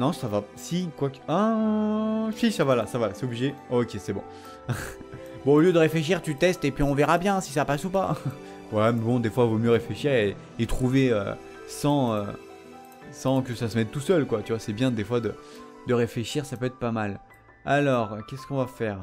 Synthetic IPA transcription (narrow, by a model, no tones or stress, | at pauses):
nɔ̃savasikwaka | fiʃavalasavasɛobliʒeokʲesɛbɔ̰̃ | bɔ̃oljød̪əʁefleʃ̬iʁt̪yt̪ɛst̪epɥiɔ̃vɛʁabjɛ̃si̥sapasupa | vwalamɛbɔ̃d̪efwavomjøʁefleʃiʁeː | t̪χuveø̰ | sɑ̃ø | sɑ̃kʲəsasəmɛt̪ːusœlkwat̪yvwasɛbjɛ̃d̪efwad̪ə | d̪əʁefleʃiʁsapøɛt̪χpamal | alɔʁkʲɛskɔ̃vafɛːʁ